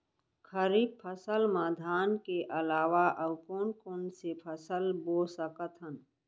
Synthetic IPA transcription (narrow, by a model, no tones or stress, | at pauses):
kʰəɾiːbpʰəsəlmaːd̪ʱaːnkeʔɐlaːwaʔɐwkoːɳkonsepʰəsəlboːsəkət̪ʰən